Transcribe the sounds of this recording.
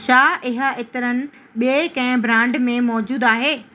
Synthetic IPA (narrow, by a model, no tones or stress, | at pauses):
ʃaːʔɪɦə̆ɪt̪ɪɾənɪ̆ | ɓiekɐ̃ɦɪ̃bɾãːɳɖmẽmɔːd͡ʑuːd̪aːɦeː